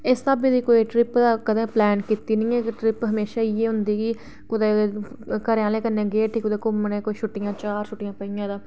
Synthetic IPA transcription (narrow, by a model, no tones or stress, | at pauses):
ɪst̪aːbiːd̪iːkoːiːʈɾɪpd̪aːkəd̪ẽːplɛːnkit̪iːnĩːeʈɾɪpɦəmeːʃaːieːɦʊnd̪iːɡiː | kʊd̪eː | kəɾjãːleːkənẽːɡeːʈʰiːkʊd̪eːkʊmənẽːkoːiːʃʰʊʈːɪjãːt͡ʃaːɾʃʊʈːɪjãːpəijãːd̪aː